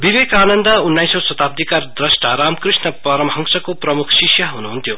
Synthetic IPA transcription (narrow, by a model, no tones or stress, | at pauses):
biβekaːnʌnd̪ʌunːajsosʌt̪ap̚d̪ʱikard̪rʌsʈaɾamkrisnʌpʌɾʌmɦʌŋsʌkoprʌmukʰsisjʌɦunuɦunt̪ʰjo